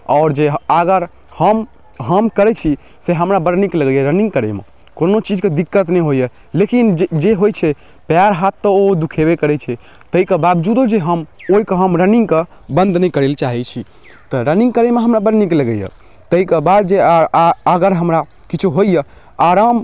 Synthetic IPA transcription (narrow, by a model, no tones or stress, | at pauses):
ɔːɾd͡ʒeaɡəɾ | həm | ɦəmkəɾɛt͡ʃʰi | seɦəmɾabəɾnikləɡəjəɾəniŋɡkəɾemḛ | konot͡ʃid͡ʒked̪ikːət̪nɛjɦojə | lekind͡ʒeɦojt͡ʃʰɛ | pjaɾɦat̪ːəod̪ukʰebekəɾɛt͡ʃʰɛ | t̪əikebabd͡ʒud̪od͡ʒeɦəmoikeɦəmɾəniŋɡke | bə̃nd̪ʱnɛjkəɾelt͡ʃaɦɛt͡ʃʰi | t̪ɔɾəniŋɡ̚kəɾemeɦəmɾabəɾnikləɡəjə̰ | t̪əikebad̪̚d͡ʒeəɡəɾɦəmɾa | kit͡ʃʰuɦojjə | aɾam